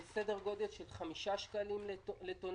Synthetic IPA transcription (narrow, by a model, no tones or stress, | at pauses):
sed̪eʁɡo̞d̪elʃe̞lχamiʃaʃkalimlet̪on